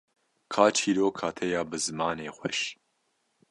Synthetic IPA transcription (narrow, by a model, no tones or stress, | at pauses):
kʰaːt͡ʃʰiːɾoːkʰaːt̪ʰɛjaːbɨzɨmɑːneːxʷɛʃ